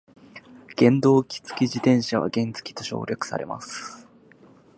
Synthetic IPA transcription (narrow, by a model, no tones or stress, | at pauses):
ɡ̥ẽ̞nd̪o̞ːkʲi̥t͡sɨ̥kʲiʑit̪ẽ̞ɰ̃ɕaβa̰ɡẽ̞nt͡sɨ̥kʲi̥t̪o̞ɕo̞̰ːɾʲakɯ̟̥sa̰ɾe̞̰mʔa̰sɨ̥